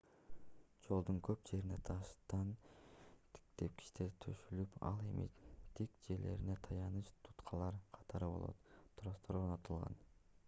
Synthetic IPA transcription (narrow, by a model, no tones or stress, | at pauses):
d͡ʒo̞lˠd̪uŋkʰøpd͡ʒe̞ɾine̞t̪ʰɑʃt̪ɑn | t̪ʰi̥kt̪ep̚kʰi̥ʃt̪eɾt̪ʰøʃylypɑ̰lˠe̞mʔḭt̪ʰikd͡ʒe̞ɾle̞̰ɾine̞t̪ʰɑjɑnɯt͡ʃt̪ʰu̥t̪qʰɑlˠɑɾqʰɑ̥t̪ʰɑɾɯbolˠo̞̰t̪ʰːɾost̪oɾonɑt̪ʰɯlˠʁɑ̰n